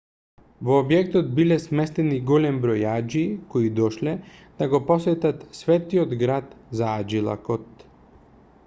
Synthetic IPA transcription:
vɔːbjɛk̚t̪ɔt̪̚bilɛsmɛst̪ɛniɡɔlɛmbɾɔjad͡ʒikoid̪ɔʃlɛd̪̥aɡopɔsɛt̪at̪svɛt̪iod̪ɡɾat̪zaad͡ʒilˠa̰kɔt̪

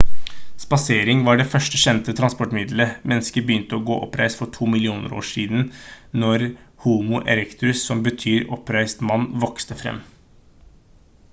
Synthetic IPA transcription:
spɑseːɾɪŋʋɑɖɛfœʂʈəʃɛnt̪ət̪ʰɾɑnspɔʈmɪd̪ləmʔɛnːəskəɾbəjʏnt̪əɔɡo̰ːʔɔ̰pɾæ̰ɪsfɔʈʰuːmɪlɪuːnə̰ɾo̰ːʂiːd̪n̩nɔɾhuːmʊʔɛ̰lɛkt̪ɾʉssɔmbət̪ʰyːɾɔpɾæɪst̪mɑnːʋɔkst̪əfɾɛ̰mː

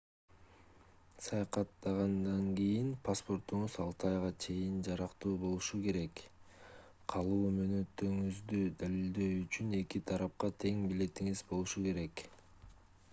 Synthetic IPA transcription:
sɑjɑqɑt̪ːɑʁɑnd̪ɑŋɡijinpʰaspo̞rt̪uɴuzɑlˠt̪ʰɑjʁɑt͡ʃʰe̞jind͡ʒɑɾɑqt̪uːbo̞lˠuʃuke̞ɾe̞k | qʰɑlˠuːmø̞ːnø̞t̪ːø̞ŋyzd̪yd̪ælild̪e̞jyt͡ʃyne̞kit̪ʰɑɾɑp̚qɑt̪ʰe̞ŋbile̞t̪iŋizbo̞lˠuʃuke̞ɾe̞k

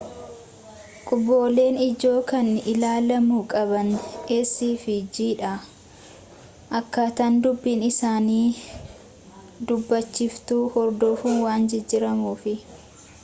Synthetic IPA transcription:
kʼʊbːo̞ːle̞ːnɪd͡ʒo̞ːkɐnɪlaːlɐmukʼɐbɐnʔesiːfɪd͡ʒiːᶑɐ | ʔɐkːaːt̪ɐnd̪ʊbːiːnɪsaːniː | d̪ʊbːɐt͡ʃːɪft̪uːhɔɾd̪oːfuːwaːnd͡ʒɛd͡ʒːɪɾɐmuːfɪ

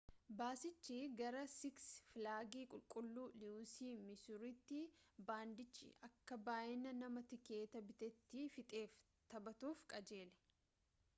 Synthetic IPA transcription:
baːsɪt͡ʃːiɡɐɾɐsɪksfɪlaːɡiːkʼʊlkʼʊlːuːluːsiːmɪsʊɾɪt̪ːɪbaːnd̪ɪt͡ʃːɪ̰ʔɐkːɐbaːjɪnɐnɐmɐt̪ɪke̞ːt̪ɐbɪt̪ɛt̪ːɪfɪt̪ʼe̞ːf | t̪ɐbɐt̪uːfkʼɐd͡ʒe̞ːlɛ̥

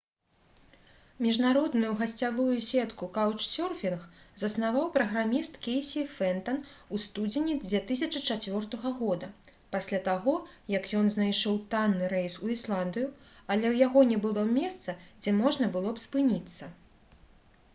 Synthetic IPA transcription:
mʲiʐnaɾɔd̪nujuɣɐsʲt͡sʲavujusʲɛt̪kukawt͡ʂsʲɔrfʲinx | zɐsnavawpɾɐɣɾamʲist̪kʲejsʲifɛnt̪ɐnust̪ud͡zʲɪnʲid͡zʲvʲɛt̪ɨs̬ʲɐt͡ʂɨt͡ʂat͡sʲvʲɔrt̪ɐɣɐɣɔd̪ɐpasʲlʲat̪aɣɔjɐkjɔnznajʂɔwt̪anːɨɾɛjsuislˠand̪ɨju | ɐlʲɛwjaɣɔnʲɛbɨlˠɔmʲɛst̪sɐd͡zʲɛmɔʐnɐbɨlˠɔpspɨnʲit̪sːɐ

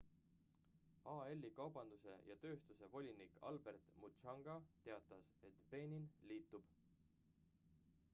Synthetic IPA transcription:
ɑe̞lʲːikɑwb̥ɑnd̪̥use̞̰jɑt̪ø̞ːst̪use̞vo̞lʲinikɑ̰lbe̞rt̪mut͡ʃɑŋɡ̥ɑt̪e̞ɑt̪ːˑɑse̞t̪b̥e̞ːnʲinliːt̪ːˑub̥

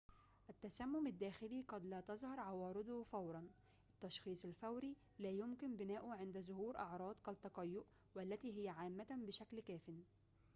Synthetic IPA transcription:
ʔat̪ːasæmːʊmɪd̪ːæːxɪliːqɑd̪læːt̪ɑzˤhɑɾˤʕɑwɑːɾɪd̪ʊfawɾˤɑn | ʔɪt̪ːɑʃxiːsˤɪlfawɾiː | læːjʊmkɪnbɪnæːʔʊʕɪnd̪æzʊhuːɾʔɑʕɾˤɑːd̪ˤkɑt̪ːɑqɑjːʊʔ | wælːæt̪iːɦɪjaʕaːmːabɪʃæklkæːfɪn

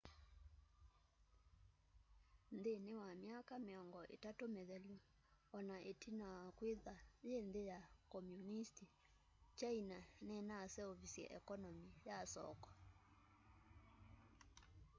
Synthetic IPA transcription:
nðenewamjakameɔŋɡɔʔḛtatomeðɛlu | ɔnaʔetʰinaakweðajenðejakɔmjunisti | t͡ʃainanɛnasɛoβisiɛ̰ʔɛ̰kɔnɔmijasɔ̰kɔ̥

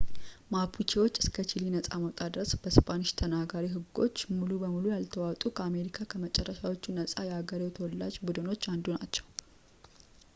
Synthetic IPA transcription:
mapʰut͡ʃʰewo̞t͡ʃːɨskʰət͡ʃʰilinəsʼaməwt̪ʼad̪ɨɾəsb̥əspʰʼanɨʃt̪ʰənaɡaɾiɦɨɡːo̞̰t͡ʃːmulubəmulujalt̪ʰəwawt̪ʼukʰəame̞ɾikʰakʰəmət͡ʃʼɛrːəʃawo̞t͡ʃːunəsʼajɛaɡəɾewt̪ʰəwɔlːa̰d͡ʒbud̪ɨno̞t͡ʃːand̪unat͡ʃːɛw

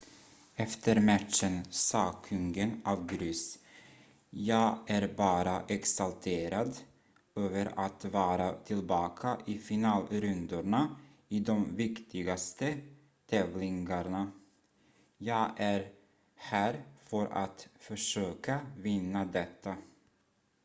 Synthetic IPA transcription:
ɛft̪ʰəɾmat̪ʂənsɑːkʰɵŋɡənavɡɾʏs | jɑːɡæɾbɑːɾaʔɛksalt̪ʰeːɾad̪ | øːvəɾat̪vɑːɾat̪ʰɪlbɑːkʰaʔɪfɪnɑːlɾɵnd̪ʊɳa | ɪd̪ɔmvɪkt̪ʰɪɡast̪ə | t̪ʰɛːvlɪŋɡaɳa | jɑːɡʔæɾ | hæːɾfœɾa̰t̪fœʂøːkavɪnːad̪ɛt̪ːa

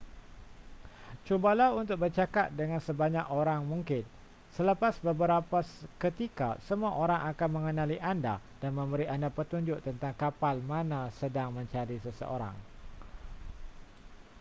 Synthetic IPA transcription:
t͡ʃubalawunt̪ʊk̚bərt͡ʃakat̪̚dəŋãnsəbaɲakoɾaŋmũŋkɪn | sələpasbəbəɾapaskət̪ika̰səmuaʔoɾaŋakanmə̃ŋənãliʔanda | d̥anmə̃mbəɾiʔandapət̪uɲd͡ʒʊʔt̪ənt̪aŋkapalmãnãsədaŋmə̃ɲt͡ʃaɾisəsə̰ʔoɾa̰ŋ

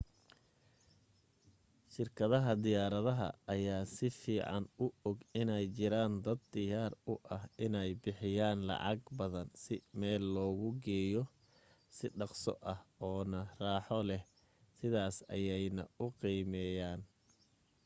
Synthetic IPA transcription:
ʃɪrkʰɐðɐɦɐd̪ɪjaːɾɐðɐɦɐ̰ɐjaːsɪfiːʕɑnʊɔɡɪnɛjt͡ʃɪɾaːnd̪ɐd̪ːɪjaːrʊʔɐhɪnɛjbɪħɪjaːnlɑ̰ʕɑ̰ɡbɐðɐnsɪmɛːlːɔːɣʊɡɛːjɔ | sɪɖɑqsɔ̰ʔɐhɔːnɐraːħɔlɛh | sɪðaːsɐ̰jɛjnɐ̰ʊqiːmɛːjaːn

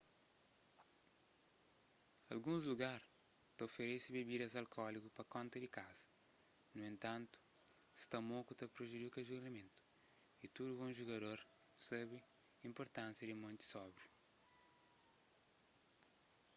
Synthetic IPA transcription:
ɐ̰lɡũzluɡaɾ | t̪ɐofeɾesibibid̪ɐzɐlkʰɔlikupɐkõnt̪ɐd̪ikazɐ̥ | nuẽnt̪ãnt̪u̥ | st̪ɐmokut̪ɐpɾoʒid̪ikɐʒuɾnɐmẽnt̪u̥ | it̪ud̪ubõʒuɡɐd̪oɾ | sɛβi | ĩmpoɾt̪ãnsjɐd̪imõnt̪i̥sɔbɾi

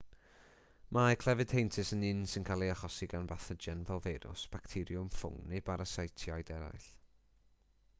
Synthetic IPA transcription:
mʔakʰl̥ˠɛvɨd̥hejntʰɨsənɪnsɪnkʰalˠiaχɔsiɡanbaθəd͡ʒɛnvɛlˠveɾʊ̰sb̥aktʰɪɾjʊmfʊ̰ŋnebaɾasajtʰjɔjdɛɾa̰jɬ

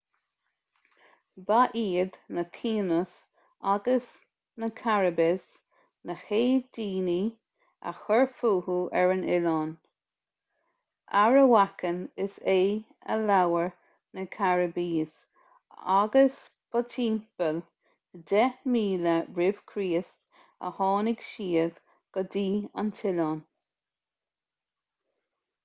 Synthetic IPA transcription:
baʔiːd̪nət̪ʰiːnəs | aɡəs | nəkʰaɹəbɪs | nəxeːdiːni | a̰xəɹfuːhuʔɛɹənɪlɔn | ʔaɹəwakənɪseː | ə̰lawəɹ | nəkʰaɹəbiːs | aɡəs | b̥ɔtʰiːmpəl | ədɛmiːləɹɪv̥kʰɾiːəst | ə̰hɔːnɪɡ̥ʃiːəð | ɡ̥ədiːa̰ntʰɪlɔːn

